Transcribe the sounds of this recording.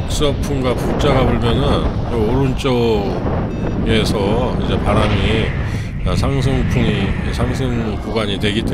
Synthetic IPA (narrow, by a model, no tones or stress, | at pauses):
k̚s͈ʌpʰunɡwapuk̚t͡ɕ͈aɡaboɭmjʌnɯn | ʌoɾunt͡ɕ͈ʌ | e̞sʰʌid͡ʑe̞paɾami | asʰaŋs̬ʰɯŋpʰuŋi | sʰaŋsʰɯŋkuɡwaɲitwe̞ɡit͈e